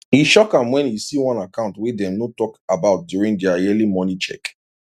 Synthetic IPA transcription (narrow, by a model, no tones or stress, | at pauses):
hiʃɔkãmwɛ̃njisiwãnakãʊ̃ntwɛdɛ̃mnotɔkabaʊt̚djuɹĩŋdɛaɛlimɔnit͡ʃɛ̰k